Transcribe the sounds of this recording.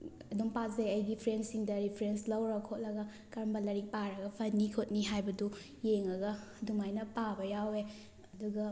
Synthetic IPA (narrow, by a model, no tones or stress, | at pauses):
ɐdumpazeɐjɡipʰɾensiŋdɐɾipʰɾenslɐwɾɐkʰot̚lɐɡɐ | kɐɾɐmbɐlɐɾik̚paɾɐɡɐpʰɐnːikʰot̚niɦajbɐdu | jeŋɐɡɐdumajnɐpabɐjawe | ɐduɡɐ